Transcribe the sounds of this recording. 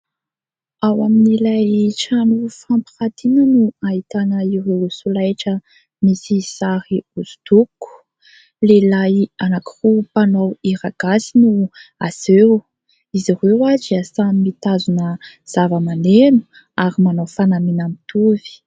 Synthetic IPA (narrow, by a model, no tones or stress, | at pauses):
awaminilajʈ͡ʂanufampiχad̪inənuait̪anəiɾewsulajʈ͡ʂə | misisaɾiuzu̥t̪uku̥ | lelajanakirupanowiɾaɡ̥asinuaze | iziɾewad͡ʒiasamimit̪azunə | z̥avəmanenu̥ | aɾimanofanaminamit̪uvi̥